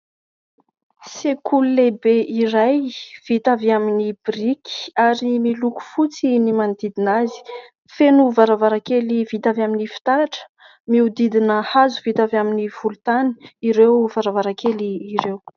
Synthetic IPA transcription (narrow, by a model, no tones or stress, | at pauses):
sekullebeʔiɾajv̥it̪avaminibriki̥aɾimiluku̥fut͡sinimand̪id̪inazi̥ | fenuvaɾavaɾakelivit̪avaminifi̥t̪aʈ͡ʂə̥ | miud̪id̪inəhazuv̥it̪avaminiv̥ulut̪ani̥iɾewv̥aɾavaɾakeliːɾew